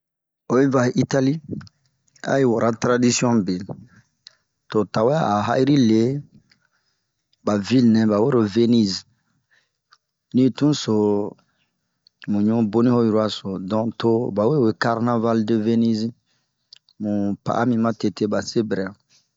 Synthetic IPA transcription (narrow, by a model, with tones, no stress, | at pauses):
o˨ĩ˦va˨ʔi˦ta˦li˦ | a̰˦ji˦wo˨ɾʔa˦tɾa˦di˦si˦ɔ̃˦be˨l | to˨ta˨we˦a˦a˨ɦa̰˦i˦ɾi˦le˨˦ | ba˨vi˦lnɛ̃˨ba˨we˦ɾo˨ve˦ni˦z | nĩ˦tũ˦so˨ | mũ˨ɲũ˦bo˦nĩ˦ho˦ju˨ɾu˦a˨so˨dɔ̃˨to˦ba˨we˦we˨ka˦ɾna˦va˦ldə˨ve˦ni˦z | mũ˨pa̰˨ʔa˦mĩ˦mã˦te˨te˦ba˨se˦bɾɛ˨